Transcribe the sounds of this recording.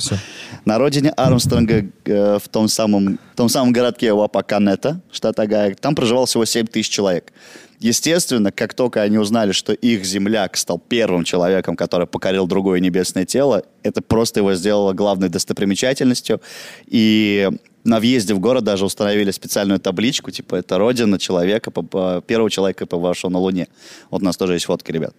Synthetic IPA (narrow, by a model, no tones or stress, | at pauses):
nɐɾo̞dʲɪnʲɪʔarmst̪əɾnɡəft̪o̞msaməmt̪o̞msaməmɡəɾat̪̚kʲɪjəvapakɐnɛt̪əʂt̪at̪ɐɡajəkt̪ampɾəʐɨvɑlˠfsʲɪvo̞sʲemʲt̪ɨis̬ʲɪt͡ɕːɪlˠɐvʲe̞kjɪsʲtʲe̞st̪vʲɪnːəkakt̪o̞lʲkəɐnʲiʊznalʲɪʂt̪o̞ʔixzʲɪmlʲakst̪alˠpʲe̞rvɨmt͡ɕɪlˠɐvʲe̞kəmkɐt̪o̞ɾɨjpəkɐɾʲilˠd̪ɾʊɡo̞jənʲɪbʲe̞snəjətʲelˠə | ɛt̪əpɾo̞st̪əjɪvo̞zʲdʲe̞lˠəlˠəɡlˠavnəjd̪əst̪əpɾʲɪmʲɪt͡ɕætʲɪlʲnəsʲtʲjʊi | nɐvjezʲdʲɪvɡo̞ɾət̪̚d̪aʐɨʊst̪ənɐvʲilʲɪspʲɪt̪sɨalʲnʊjʊt̪ablʲit͡ɕkʊtʲi̥pəɛt̪əɾo̞dʲɪnːət͡ɕɪlˠɐvʲe̞kəpəəpʲe̞rɾvəvət͡ɕɪlˠɐvʲekəpəvɐʂlˠonəlˠʊnʲevot̪ʊnast̪o̞ʐɨjestʲfo̞t̪kʲɪɾʲɪbʲa̰t̪̚